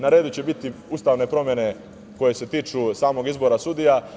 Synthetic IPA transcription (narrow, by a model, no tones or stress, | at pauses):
naɾeːd̪ut͡ɕe̞bit̪iust̪aʋne̞pɾo̞mje̞ne̞ | ko̞je̞se̞t̪iːt͡ʃusaːmo̞ɡizbo̞ɾasud̪ija